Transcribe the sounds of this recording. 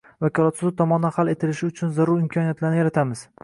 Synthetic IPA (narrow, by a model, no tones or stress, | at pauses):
vakʰɒlˠat̪sʊzɪt̪ʰɒmɒnd̪anhale̞t̪ʰɪlɪʃɪʊt͡ʃʰʊnzaɾʊɾɪmkʰɒnijat̪laɾnɪjaɾat̪ʰamɪz̥